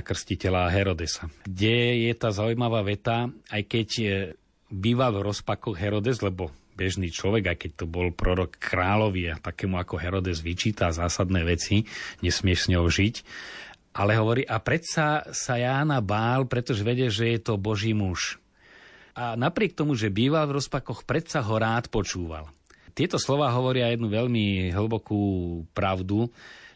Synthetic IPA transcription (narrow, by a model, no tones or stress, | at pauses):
kr̩scicɛlaːɦɛɾɔd̪ɛsaɡɟɛjɛt̪aːzaujmaʋaːʋɛt̪aajkɛɟ | biːʋalvɾɔspakɔɣɦɛɾɔd̪ɛzlɛbɔ | bɛʒniːt͡ʃlɔʋɛɡajkɛc̚t̪ɔbɔlpɾɔɾɔkʰːɾaːlɔʋiat̪akɛːmuakɔɦɛɾɔd̪ɛzʋit͡ʃiːt̪azaːsad̪nɛːʋɛt͡siɲɛsmɪɛʃsɲɔwʒic | ʔalɛɦɔʋɔɾiːʔapɾɛt̪sasajaːnabaːlpɾɛt̪ɔʒɛʋɛɟɛʒɛjɛt̪ɔbɔʒiːmuʃ | anapɾɪɛk̚t̪ɔmuʒɛbiːʋalvɾɔspakɔxpɾɛt̪saɦɔɾaːt̪pɔt͡ʃuːʋa̰lt̪ɪɛt̪ɔslɔʋaːɦɔʋɔɾɪajɛd̪nuʋɛʎmiɦl̩bɔkuːpɾaʊd̪u